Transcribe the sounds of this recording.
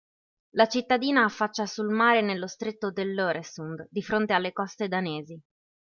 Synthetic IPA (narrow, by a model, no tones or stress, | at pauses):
lat͡ʃit̪ːad̪iːnaːfːat͡ʃːasulmaːɾenelːost̪ɾet̪ːod̪elːoːɾesund̪d̪ifɾont̪ealːekɔst̪ed̪aneːzi